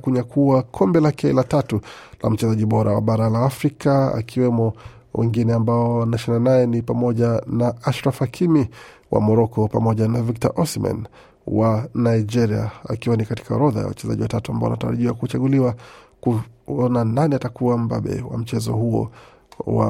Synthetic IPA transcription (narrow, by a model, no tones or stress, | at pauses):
kuɲakʰuwakʰɔmbɛlakɛɛlatatulʔa̰m̩t͡ʃɛzaʄiɓɔɾawa̰ɓaɾalaːfɾikaa̰kiwɛmɔ | wʔɛ̰ŋɡinɛambaɔnaʃinanajɛnipamɔʄanaaʃɾafakʰimiwʔa̰mɔɾɔkɔpamɔʄanavik̚ta̰ʔɔsma̰n | wanaid͡ʒɛɾia̰a̰kiwanikati̥kaɔɾɔða̰ja̰wa̰t͡ʃɛza̰ʄiwatatuambaɔwanataɾaʄiwakut͡ʃaɠuliwakuɔnananiatakuwambaɓɛ̰wa̰m̩t͡ʃɛzɔ̰huɔ̰ | wa̰